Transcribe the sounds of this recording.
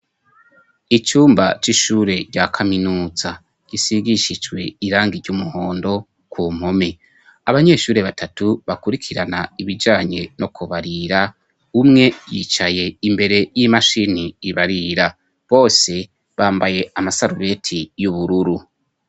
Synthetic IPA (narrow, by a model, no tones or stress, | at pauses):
it͡ʃuːmba̰t͡ʃiʃuːɾe̞ɟakʰaminuːza | ɡ̥isiɡiʃid͡ʒɡwe̞iɾaːŋɡiɾɟumuhoːndo̞ | kʰum̥home̞ | aβaɲe̞ːʃuːɾe̞βatʰatuβakuɾikʰiɾanaiβid͡ʒaːɲe̞nʔo̞kʰuβaɾiɾa | umŋe̞jḭːt͡ʃaje̞imbe̞ɾe̞jimaʃiniːβaɾiɾa | βo̞ːse̞ | βaːmbaje̞amasaɾuβe̞tʰijuβuɾuɾu